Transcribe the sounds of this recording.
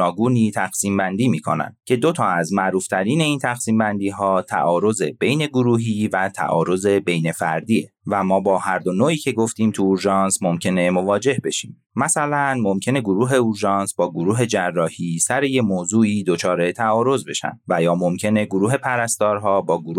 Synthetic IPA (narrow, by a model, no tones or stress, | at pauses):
ɒːɡuːniːt̪ʰæxsiːmbænd̪iːmiːkʰonæ̰nd̪̥cʰe̞d̪o̞t̪ʰɒːæzmæʔɾuːft̪ʰæɾiːne̞iːnt̪ʰæxsiːmbænd̪iːɦɒːt̪ʰæ̰ʔɒːɾo̞ze̞be̞jne̞ɡuɾuːɦiːvæt̪ʰæ̰ʔɒ̰ːɾo̞ze̞be̞jne̞fæɾd̪iːe | væmɒːbɒːhæɾd̪o̞noːʔiːcʰe̞ɡoft̪iːmt̪ʰuːɾʒɒːnsmo̞mcʰe̞ne̞mo̞vɒːd͡ʒe̞hbe̞ʃiːm | mæsælænmo̞mcʰe̞ne̞ɡoɾuːɦe̞uɾʒɒːnsbɒːɡoɾuːɦe̞d͡ʒærːɒːhiːsæɾe̞jemoːzuːiːd̪ot͡ʃʰɒːɾe̞t̪ʰæɒːɾo̞zbe̞ʃæ̰nd̪væjɒːmo̞mcʰe̞ne̞ɡoɾuːɦe̞pʰæɾæst̪ɒːɾɦɒːbɒːɡoɾu